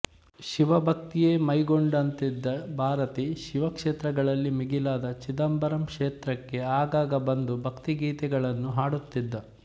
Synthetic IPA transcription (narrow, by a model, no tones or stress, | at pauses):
ʃiʋɐbʱɐk̚t̪ijeːmɐjɡoɳɖɐnt̪id̪ːɐbʱaːɾɐt̪iʃiʋɐkʂeːt̪ɾɐɡɐɭɐlːimiɡilaːd̪ɐt͡ʃid̪ɐmbɐɾɐmkʂeːt̪ɾɐkːe̞aːɡaːɡɐbɐnd̪ubʱɐkt̪iɡiːt̪ɛɡɐɭɐnːuɦaːɽut̪ːid̪ːɐ